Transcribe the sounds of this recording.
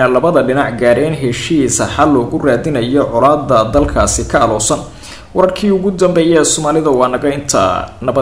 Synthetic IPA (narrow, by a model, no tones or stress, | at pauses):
ɐlɐβɐðɐɖɪnɑʕɡaːɾɛːnɦɛʃisɐħɑlɔːɣʊraːðɪnɐjɔʕʊlaːd̪ːɐd̪ɐlkʰaːsɪkʰɐːlɔːsɐn | wɐɾɐrkʰiːʊɣʊd̪ɐmbɛjɛsɔːmaːlɪðɐwɑːnnt̪ʰɐnɐbɐ